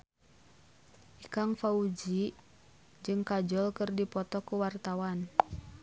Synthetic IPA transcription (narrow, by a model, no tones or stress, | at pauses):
ʔikaŋfaud͡ʒi | d͡ʒɨŋkad͡ʒɔlkɨrdipɔt̪ɔkuwart̪awan